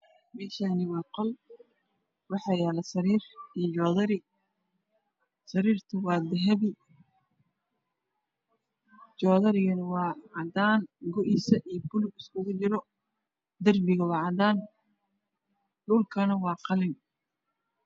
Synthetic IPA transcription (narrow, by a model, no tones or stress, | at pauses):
mɛːʃanɪwɑːqɔl | wɑħɑːjɛːlɐsɐɾiːrid͡ʒɔːðɐɾɪ | sɐɾiːrt̪ʰʊwɑːd̪ɛɦɛβɪ | t͡ʃɔːðɐɾɪɣɐnɐwɑːʕɑd̪aːnɡʊʔɪsɐʔijbʊlʊɪskʰʊɣʊt͡ʃɪɾɔ | d̪ɐrbɪɣɐwɑːʕɑd̪aːn | ɖʊːlkʰɐnɐwɑːqɑlɪŋ